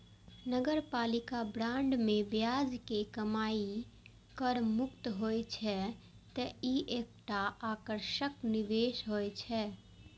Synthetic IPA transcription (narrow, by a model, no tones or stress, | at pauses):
nəɡəɾpaːlikabɾãɳɖmẽbjad͡ʒkekəmaːi | kəɾmʊkt̪ɦojt͡ʃʰɛ | t̪əiʔek̚ʈaaːkəɾʃəkniʋeːʃɦojt͡ʃʰɛ